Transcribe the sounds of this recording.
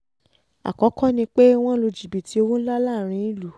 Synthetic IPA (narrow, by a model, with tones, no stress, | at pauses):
a̰˨kɔ˨˦kɔ̃˦nĩ˧k͡pe˦w̃ɔ̃˦lo˧d͡ʒi˨bi˨ti˨˦o˧wo˦la˦la˦˨ɾ̃ĩ˨˧˦i˦lu˨